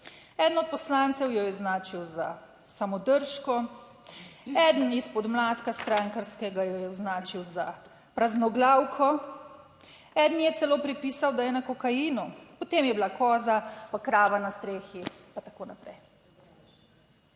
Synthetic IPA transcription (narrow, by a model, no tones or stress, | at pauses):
ɛːd̪ənɔt̪̚pɔslaːnt̪sɛwjɔjɛwznaːt͡ʃiwza̰ | samɔd̪əɾʃkɔ | ɛd̪ənispɔd̪mlaːt̪kast̪ɾaːŋkaɾskɛɡajɔjɛwznaːt͡ʃiwza | pɾaznɔɡlaːwkʰɔ | ɛd̪njɛt̪sɛloːpɾipiːsawd̪ajɛnakɔkajiːnupɔt̪eːmjɛblakɔːzapakɾaːʋanast̪ɾeːxipat̪akoːnapɾɛ̰j